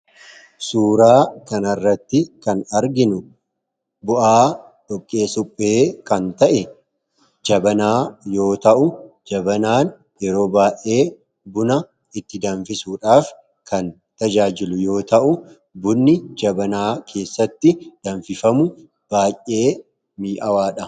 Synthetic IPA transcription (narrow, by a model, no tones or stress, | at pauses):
suːɾaːkɐnɐrːɐt̪ːɪkɐnɐɾɡɪnʊ | bʊʔaː | ᶑɔkʼːe̞ːsʊpʼːe̞ːkɐnt̪ɐʔɛ | d͡ʒɐbɐnaːjo̞ːt̪ɐʔʊ | d͡ʒɐbɐnaːn | jɛɾo̞ːbaːʔʔe̞ː | bʊnɐ | ɪt̪ːɪd̪ɐɱfɪsuːᶑaːf | kɐn | t̪ɐd͡ʒaːd͡ʒɪlʊjo̞ːt̪ɐʔʊ | bʊnːɪd͡ʒɐbɐnaːkʰe̞ːsːɐt̪ːɪd̪̥ɐɱfɪfɐmʊ | b̥aːjʔe̞ː | miːʔɐwaːᶑɐ